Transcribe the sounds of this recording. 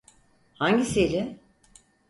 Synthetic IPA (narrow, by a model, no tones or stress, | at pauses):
haɲɟiselʲɪ